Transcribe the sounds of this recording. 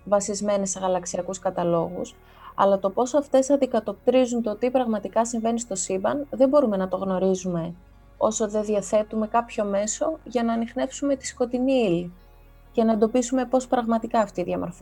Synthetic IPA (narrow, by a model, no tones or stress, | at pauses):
vɐsizme̞nesːe̞ɣɐlɐksiɐkuskɐt̪ɐlo̞ɣṵs | ɐ̰lɐt̪o̞po̞sɐft̪e̞sɐnd̪ikɐt̪o̞p̚t̪ɾizunt̪ot̪ipɾɐɣmɐt̪ikɐsiɱve̞nist̪o̞sibɐnðe̞mbo̞ɾume̞nɐt̪o̞ɣno̞ɾizume̞ | o̞so̞ðe̞ðiɐθe̞t̪ume̞kɐpço̞me̞so̞ʝɐnɐːnixne̞fsume̞t̪i̥sko̞t̪iniili | ce̞nɐend̪o̞pisume̞po̞spɾɐɣmɐt̪ikɐːft̪iːðʝɐmo̞ɾf